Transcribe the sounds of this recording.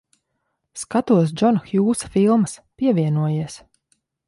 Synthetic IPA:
skat̪uɔs̬d͡ʒɔnxjuːsḁfilˠməspiɛvʲiɛnuɔjiɛs

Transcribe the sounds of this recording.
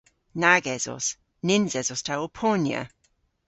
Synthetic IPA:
naɡɛzɔ̰s | nɪnzɛzɔstʰaopʰɔnjə̰

